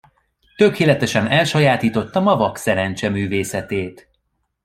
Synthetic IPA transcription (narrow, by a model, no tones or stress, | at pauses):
t̪ø̞keːlɛt̪ɛʃɛnɛlʃɒjaːt̪iːt̪o̞t̪ːɒmɒvɒksɛɾɛnt͡ʃɛmyːveːsɛt̪eːt̪